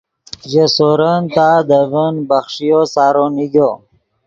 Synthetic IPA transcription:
ʑesoɾənt̪ad̪əvənbəxʂijosaːɾoniɡo

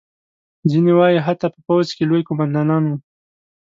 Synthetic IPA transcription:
zinewɑjiɦat̪ɑpəpawzkelojkomand̪ɑnɑnwu

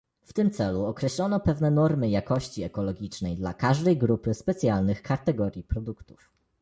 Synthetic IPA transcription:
ft̪ɘmt̪sɛluɔkɾɛɕlɔn̪ɔpɛvnɛnɔɾmɘjakɔɕt͡ɕiɛkɔlɔɡʲit͡ʂnɛjd̪lakaʐd̪ɛjɡɾupɘspɛt̪sʲjalnɘxkat̪ɛɡɔɾʲjipɾɔd̪ukt̪u̥f

